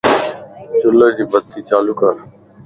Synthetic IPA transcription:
t͡ʃʊləd͡ʑiːbəd̪̚t̪ʰiːt͡ʃaːlukəɾ

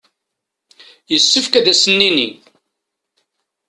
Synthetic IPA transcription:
jəsːəfkæðæsənːini

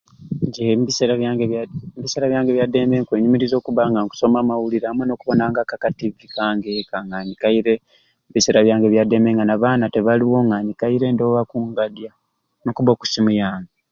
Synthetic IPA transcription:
ɲɟeiseɡeβiseɾaβjaːŋɡe̞βjadeːmeːŋkwe̞ːɲumiɾizo̞ːkuβaŋɡaŋku̥so̞maːmawuliɾamweno̞kuβo̞naːŋɡakakativikʰaːŋɡekaŋaːɲikajiɾe | βiseɾaβjaːŋɡe̞βjade̞ːmeːŋɡanaβaːnate̞βaliwo̞ŋaɲikajiɾe̞ndoβakuːŋɡadja | nokuβoku̥simujaːŋɡe

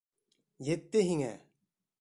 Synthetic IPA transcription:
jet̪ːeɦiŋɛ̰

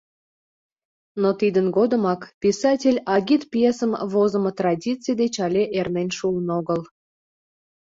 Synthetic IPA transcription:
not̪id̪ənɡod̪əmɑkpʲisɑtʲelʲɑɣʲit̪pjesəmβozəmət̪rɑdʲit͡sɨjd̪et͡ɕɑlʲeʔermenʲʃulənoɣəl

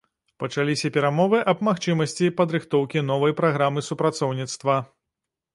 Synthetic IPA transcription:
pɐt͡ʂalʲisʲɐpʲɛɾamɔvɨʔɐbmaxt͡ʂɨmɐsʲt͡sʲipɐd̪ɾɨxt̪ɔwkʲin̪ɔvɐjpɾaɣɾamɨsupɾat̪sɔwnʲit̪st̪vɐ

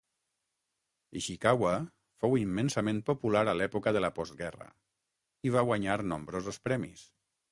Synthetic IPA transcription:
iʃikawa | fowimːensəmẽnpopulaɾalɛpukəðəlapɔzt̪ɡɛrə̰ | iβaɣwaɲaɾnombɾozospɾɛmḭs

